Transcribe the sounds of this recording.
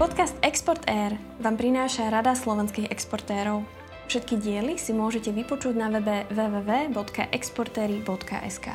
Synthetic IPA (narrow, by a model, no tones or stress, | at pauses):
pɔt̪kast̪ɛkspɔɾt̪ʰɛɾ | ʋaːmpɾinaːʃaɾad̪aslɔʋɛnskiɣɛkspɔɾt̪ɛːɾɔʊ | fʃɛt̪kiɟɪɛlisimʊɔʒɛcɛʋipɔt͡ʃuɟnaɛʋɛʋɛːʋɛːbɔt̪ka̰ʔɛkspɔɾt̪ɛːɾibɔt̪ka̰ʔɛska̰ː